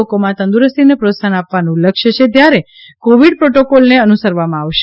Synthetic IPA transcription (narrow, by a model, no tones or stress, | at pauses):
okomãt̪ə̃nd̪uɾəst̪inepɾot̪sanapʋanũləkʃət͡ʃʰet̪jaɾe | koʋiɖpɾoʈokolneənusəɾʋamãːʋʃe